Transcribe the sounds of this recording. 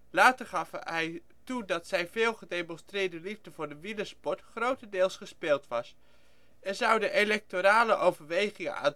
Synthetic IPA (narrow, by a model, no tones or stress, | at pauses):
laːtəɹχɑfɦɛj | tudɑtsɛjvɪːlˠχədejmɔnstrɪːɹdəlivdəvʊːɹdəʋiləspɔɹtχrowtədɪːlˠsχəspɪːlˠtʋɑs | ɛɹzɑwdəʔelɛk̚toɾaːləʔowvəɹʋejχɪŋə̰a̰ːn